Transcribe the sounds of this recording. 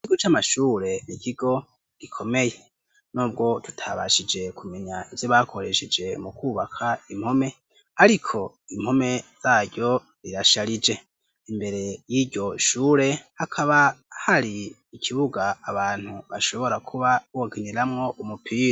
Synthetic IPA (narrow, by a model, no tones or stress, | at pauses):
ikiɡot͡ʃamaʃuːɾe̞nikiɡ̥o̞ | ɡ̥ikʰo̞me̞je̞ | nuːb̚ɡo̞tu̥tʰaβaʃid͡ʒe̞kʰume̞ɲaivjoβakʰo̞ɾe̞ʃed͡ʒe̞mukuβakʰaim̥ho̞me̞ | haɾikʰo̞ | im̥ho̞me̞z̥aːɟɟo̞ | ɾiɾaʃaɾid͡ʒe̞ | imbe̞ɾe̞jiɟo̞ʃuːɾe̞hakʰaβahaɾiː | kʰiβuɡaːβaːn̥huβaʃo̞βo̞ɾakʰuβaokiniɾamŋo̞ʔumupʰiːɾ